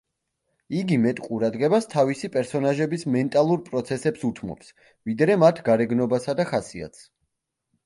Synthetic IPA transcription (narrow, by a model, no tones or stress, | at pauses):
iɡimɛt̪ʼqʼuɾad̪ʁɛbast̪ʰavisipʼɛɾsɔnaʒɛbismɛnt̪ʼalˠuɾpʼɾɔt̪sʰɛsɛpsut̪ʰmɔ̰ps | vid̪ɾɛmat̪ʰɡaɾɛɡnɔbasad̪aχasia̰t̪s